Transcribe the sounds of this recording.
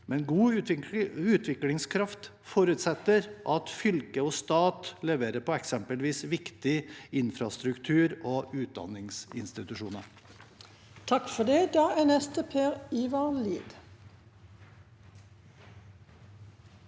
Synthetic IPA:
mɛnɡuː | ʉːt̪ʰʋɪklɪŋskʰɾɑft̪ | fɔɾʉt̪sɛt̪ːəɾʔɑt̪fʏlkəoːst̪ɑːt̪lɛʋeːɾəpʰɔɛksɛmpəlʋiːsʋɪkt̪ɪɪnfɾɑst̪ɾʉkt̪ʰʉːɾoʔʉːt̪̚d̪ɑ̰nɪŋsɪnst̪ɪt̪ʉʂuːnəɾ | t̪ʰɑkfɔd̪ɛːd̪ɑːæːnɛst̪əpʰeːɾiʋɑliːd̪

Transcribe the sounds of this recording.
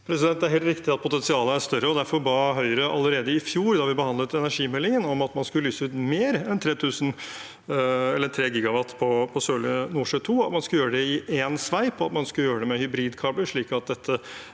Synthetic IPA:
pʰɾɛsɪd̪ɛnt̪d̪æɾɦeːlt̪ɾɪkt̪ɪɑt̪̚pʰʊt̪ɛnsɪɑːləæɾst̪œɾəɔd̪æɾfɔɾbɑɦœʏəɾəʔɑ̰lːəɾeːd̪əɪfjuːɾd̪ɑʋɪbəhɑnd̪lət̪ɛnæʂiːmɛlːɪŋənɔmɑt̪mɑnskʉləlyːsəʉːt̪meːɾɛnt̪ʰɾeːt̪ʰʉːsən | ɛlːəɾt̪ʰɾeːɡiːɡɑʋɑt̪ːpʰɔpʰɔsøːlənuːʂøt̪ʰuːɑt̪mɑnskʉljøːɾəɖɛɪʔeːnsʋæɪpʰɔɑt̪mɑnskʉləjøːɾəɖ̪ɛmɛhʏbɾiːd̪kʰɑːbləʂɭiːkɑt̪̚d̪ɛt̪ʰːə

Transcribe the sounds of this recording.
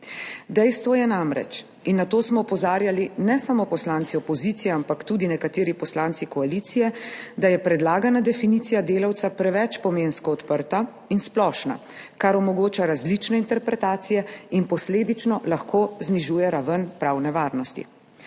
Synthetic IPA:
d̪ɛjst̪ʋɔjɛnamɾɛ̰t͡ʃ | inːat̪oːsmɔɔpɔzaːɾjalinɛsamopɔslaːntsiɔpɔziːt̪sijɛampakt̪uːd̪inɛkat̪eːɾipɔslaːnt̪sikɔalit̪sijɛd̪ajɛpɾɛd̪laːɡanad̪ɛfiniːt̪sijad̪eːlawt̪sapɾɛʋɛt͡ʃpɔmenskɔːt̪pəɾt̪a | insplɔːʃna̰ | kaɾɔmɔɡoːt͡ʃaɾazlit͡ʃnɛint̪ɛɾpɾɛt̪aːt̪sijɛinpɔsleːd̪it͡ʃnɔlaxkoːzniʒuːjɛɾaʋənpɾaːwnɛʋaːɾnɔst̪ḭ

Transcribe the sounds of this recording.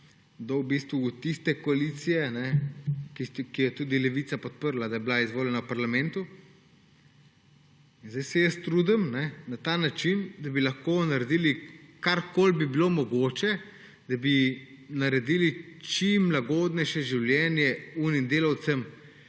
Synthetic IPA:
d̪ɔwbist̪ʋuːt̪ist̪ɛkɔaliːt̪sijɛnɛkikijɛt̪uːd̪ilɛʋit̪sapɔt̪̚pəɾlad̪ajɛbilaizʋoːljɛnawpaɾlamɛ̃nt̪u | inzd̪ajsɛjəst̪ɾuːd̪əmnɛnat̪anat͡ʃind̪abilɐxkoːnaɾɛd̪iːlikaɾkolbibilomɔɡoːt͡ʃɛ | d̪̥abi | naɾɛd̪iːlit͡ʃimːlaɡoːd̪nɛjʃɛʒiwljɛnjɛunimd̪eːlawt̪səm

